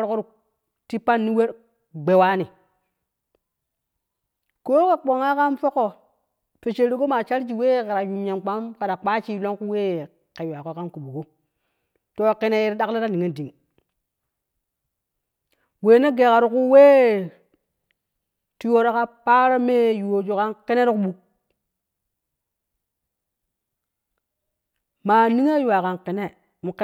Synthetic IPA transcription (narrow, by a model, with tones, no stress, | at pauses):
ɾko˦ɾu˨ | ti˦pa˦nːi˦we˦ɾ | ɡ͡be˨wa˦ni˨ | ko˦ka˨k͡po˨ŋa˦ka˦nfo˦ko˨ | fe˨t͡ʃe˨ɾi˦ko˦ma˨t͡ʃa˦ɾd͡ʒi˨weː˦˨ka˨ɾa˨ju˨mɲa˨nk͡pa˦mka˨da˨k͡pa˦t͡ʃi˦lo˦ŋku˦weː˦˨ | ka˨ja˨ko˦ka˦nku˨ɓu˨ko˦ | to˦ki˦ne˨ji˦ɾɗa˦kla˦ɾa˦ni˨ŋe˦di˨ŋ | weː˨ne˦ɡe˨ka˨ɾu˨ku˦we˦ | ti˦jo˦ɾa˦ka˦pa˦ɾa˦me˦ju˨o˨d͡ʒo˨ka˦nki˦ne˦ɾi˦ku˦ɓu˨ | maː˨ni˦ŋa˦ju˨a˨ka˨nki˨ne˦˨ | u˨k